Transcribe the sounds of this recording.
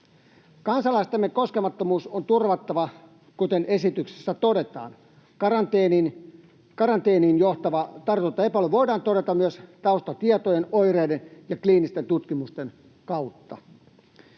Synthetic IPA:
kɑnsɑlɑist̪emːeko̞skemɑt̪ːomuːsont̪urʋɑt̪ːɑʋɑ | kut̪enʔe̞sit̪ykse̥sːæt̪o̞de̞t̪ɑ̰ːn | kɑrɑnt̪eːnin | kɑɾɑnt̪e̞ːniːnjoht̪ɑʋɑt̪ɑrt̪ut̪ːɑepɑlʋo̞idɑːnt̪o̞ɾe̞t̪ɑmmyøst̪ɑust̪ɑt̪iet̪ojenojreːdenjɑkliːnist̪ent̪ut̪kimust̪e̞n | kɑut̪ːɑ̰

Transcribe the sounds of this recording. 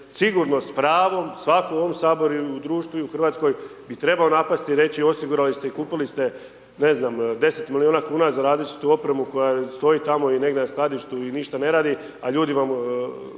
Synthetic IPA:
siɡuɾno̞spɾaːʋo̞msʋakoo̞ʋo̞msaːbo̞ɾuud̪ɾuːʃt̪ʋuuxr̩ʋaːt̪sko̞jbit̪ɾe̞bao̞napast̪iɾe̞t͡ɕio̞siɡuɾalist̪e̞ikuːpilist̪e̞ | ne̞znamd̪e̞se̞t̪milioːnakuːnazaɾaːzlit͡ʃi̥t̪uo̞pɾemuko̞jast̪o̞it̪amo̞ine̞ɡd̪enasklˠad̪iʃt̪uiniʃt̪ane̞ɾaːd̪i | aʎuːd̪iʋam

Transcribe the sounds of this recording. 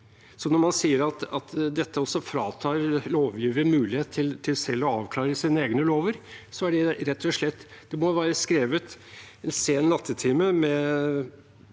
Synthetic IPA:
sɔnɔɾmɑnsiːəɾɑt̪ɑt̪d̪ɛt̪ːəɔsːɔfɾɑːt̪ʰɑːɾloːʋjiːʋəmʉːlɪheːt̪t̪ʰːɪlt̪ʰɪlsɛlːɔɑːʋkʰlɑːɾəsiːnəeːɡnəloːʋəɾsɔæɖɛɾɛt̪ʰːɔʂɭɛt̪ːd̪̥ɛmɔʋæːɾəskɾeːʋət̪ | ɛnseːnnɑt̪ʰːət̪ʰɪːməmɛ

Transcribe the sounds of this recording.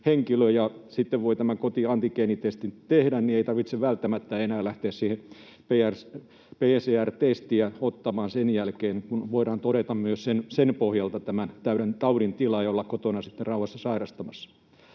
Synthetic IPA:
heŋkiløjɑsit̪ːeʋʋoit̪æmækot̪iɑnt̪ikeːnit̪est̪int̪ehdænnieit̪ɑrʋit̪seʋʋælt̪ːæmæt̪ːæenæːlæht̪eːssiːhe | peærs | peːseːært̪est̪iæot̪ːɑmɑːnsenjælkeːnkunʋoiɾɑːnt̪oɾet̪ɑmmyøssensenpohjɑlt̪ɑt̪æmænt̪æyɾænt̪ɑuɾint̪ilɑiolːɑkkot̪onɑsit̪ːerɑuhːˑɑsːɑsɑirɑst̪ɑmɑsːɑ̥

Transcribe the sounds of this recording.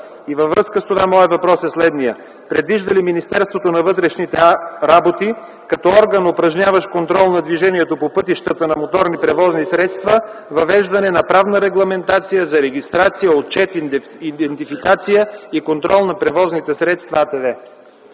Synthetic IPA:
ivəvɾɤskəst̪ovamɔɛvɐpɾɔsɛslɛd̪nijə | pɾɛd̪viʒd̪əliminist̪ɛɾst̪vot̪onɐvɤt̪ɾɛʃnit̪ɛɾabot̪i | kɐt̪ɔɔɾɡənopɾɐʒnʲavəʃkont̪ɾɔlˠnɐd̪viʒɛniɛt̪opopɤt̪iʃt̪ət̪ənɐmot̪ɔɾnipɾɛvɔznisɾɛt̪st̪vəvɐvɛʒd̪ɐnɛnɐpɾavnəɾɛɡlˠɐmɛnt̪at̪sijəzɐɾɛɡ̟ist̪ɾat̪sijəot̪̚t͡ʃɛt̪ | id̪ɛnt̪ifikat̪sijəikont̪ɾɔlˠnɐpɾɛvɔznit̪ɛsɾɛt̪st̪vat̪ɛvɛ

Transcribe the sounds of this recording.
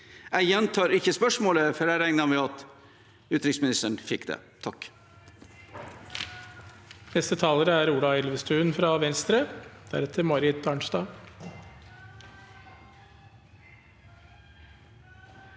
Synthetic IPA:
æɪjɛnt̪ʰɑːɾɪçəspœʂmoːləfɔɖæɾæŋnəmɛɑt̪ | ʉːt̪ɾɪksmɪnɪst̪əɳ̩fɪkd̪ḛː | t̪ʰɑk | nɛst̪ət̪ʰɑːləɾəæːɾuːlɑɛlʋəst̪ʉːənfɾɑːʋɛnst̪ɾəd̪̥æ̰ɾɛt̪ʰəmɔɾɪd̪̚t̪ʰɑːɳʂd̪ɑː

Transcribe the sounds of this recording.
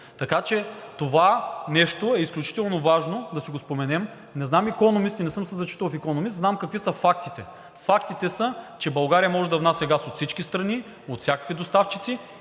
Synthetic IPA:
t̪ɐkat͡ʃɛt̪ovanɛʃt̪oɛisklʲut͡ʃi̥t̪ɛlˠnovaʒnod̪ɐsiɡospomɛnɛm | nɛznamikɔnomist̪inɛsɤmsəzɐt͡ʃi̥t̪ovfikonomisznamkɐkvisɐfak̚t̪it̪ɛ | fakt̪it̪ɛsɐt͡ʃɛbɐlˠɡaɾijɐmɔʒɛd̪ɐvnasʲɐɡasot̪sit͡ʃkʲist̪ɾɐni | ot̪fsʲjakə̥kvid̪ost̪aft͡ʃit̪si

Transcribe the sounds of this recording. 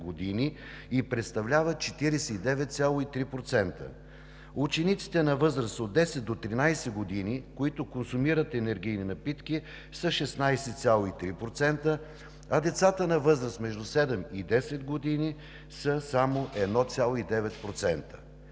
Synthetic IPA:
ɡod̪ini | ipɾɛt̪st̪ɐvlʲavət̪̚t͡ʃɛt̪iɾɛsɛid̪ɛvɛt̪̚sʲalˠoit̪ɾipɾot̪sɛnt̪ə̰ | ut͡ʃɛnit̪si̥t̪ɛnɐvɤzɾəsod̪̚d̪ɛsɛt̪̚d̪ot̪ːɾinajsɛɡod̪inikoit̪ʊkonsumiɾət̪ɛnɛɾɡ̟ijninɐpit̪ki | sɐʃɛsnajsɛt̪sʲalˠoit̪ɾipɾot̪sɛnt̪ə | ɐd̪ɛt̪sat̪ənɐvɤzɾəst̪mɛʒd̪usɛd̪ɛmid̪ɛsɛd̪ɡod̪ini | səsamoʔɛd̪nɔt̪sʲalˠoid̪ɛvɛt̪pɾot̪sɛnt̪ə̥

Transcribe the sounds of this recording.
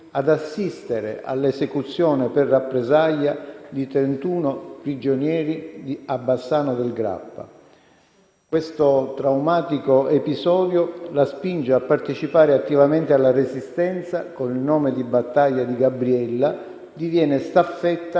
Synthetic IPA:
ad̪asːist̪eɾḛa̰lːesekut̪sːjɔːneperːapːɾezaʎːad̪it̪ɾent̪uːnopɾid͡ʒonjɛːɾid̪iabːasːaːnod̪elɡɾa̰pːa̰ | kwest̪ot̪ɾawmaːt̪ikoepizɔːd̪jolaspind͡ʒeapːart̪et͡ʃipaːɾeat̪ːivament̪ealːaresist̪ɛnt̪sakonilnɔːmed̪ibat̪ːaʎːad̪iɡabɾiɛlːa | d̪ivjɛːnest̪afːɛt̪ːa

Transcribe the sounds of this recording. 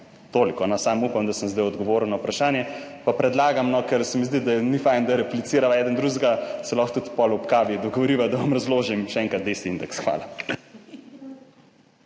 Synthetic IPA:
t̪olikɔnɔsaːmupamd̪asəmzd̪ajɔd̪ɡɔʋoːɾəwnɐwpɾaʃaːnjɛpapɾɛd̪laːɡamnɔkɛɾsɛmizd̪id̪aɛnifajnd̪aɾɛplit̪siːɾaʋaɛːd̪ənd̪ɾuzɡasɛlɔxt̪ut̪pɔlɔpkaːʋid̪ɔɡoʋɔɾiːʋad̪aʋɐmɾɐzloːʒimʃɛɛŋkɾat̪̚d̪est̪iind̪ɛksxʋa̰ːla

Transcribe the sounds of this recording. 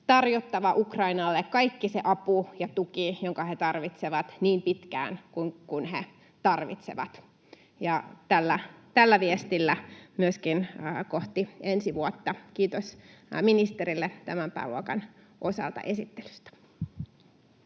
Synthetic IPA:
t̪ɑrjot̪ːɑʋɑʔukrɑinɑlːekkɑikːiseʔɑpujɑt̪ukijoŋkɑhet̪ɑrʋit̪seʋɑt̪niːmpit̪kæ̰ːnkuŋkunhe | t̪ɑrʋḭt̪sḛʋɑ̰t̪ | jɑt̪ælːæt̪ælːæʋiest̪ilːæmyøskinkoht̪iensiʋuot̪ːɑkiːt̪osminist̪eɾilːet̪æmæmpæ̰ːluokɑ̰n | ʔosɑ̰lt̪ɑ̰ʔesit̪ːe̥ly̥st̪æ̥

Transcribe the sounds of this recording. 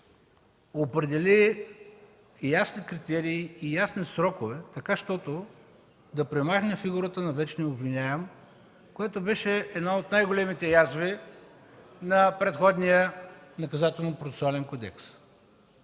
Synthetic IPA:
opɾɛd̪ɛli | jasnikɾit̪ɛɾiːijasnisɾɔkovɛt̪ɐkaʃt̪ɔt̪o | d̪ɐpɾɛmaxnɛfiɡuɾət̪ənɐvɛt͡ʃniobvinʲaɛm | kojɛt̪obɛʃɛɛd̪naot̪najɡolɛmit̪ɛjazvi | nɐpɾɛt̪xɔd̪nijənɐkɐzat̪ɛlˠnpɾot̪ɛ̥soalɛnkod̪ɛ̰ks

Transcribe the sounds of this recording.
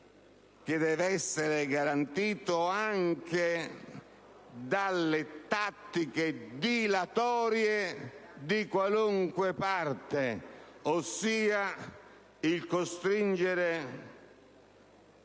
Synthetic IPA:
k̟ɪd̪ɛːvɛsːeɾɪɡaɾant̪iːt̪oaŋk̟e | d̪alːɪt̪at̪ːiked̪ilat̪ɔːɾjed̪ikwaluŋkwepart̪eosːiːa | ilkost̪ɾind͡ʒeɾe

